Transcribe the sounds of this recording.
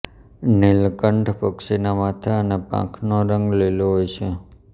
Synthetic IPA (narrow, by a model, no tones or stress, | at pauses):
nilkəɳɖpəksinamat̪ʰaənepã̰kʰnoɾəŋɡleloɦojt͡ʃʰe